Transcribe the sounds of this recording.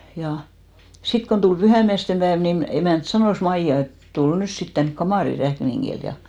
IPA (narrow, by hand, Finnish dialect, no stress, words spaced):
jɑ sit kon tul pyhæˑmiæstem pæeʋ nin emæˑnt sɑnoˑs mɑijɑ et tul nys sit tænk kɑmɑˑri rækniŋɡ̊il jɑ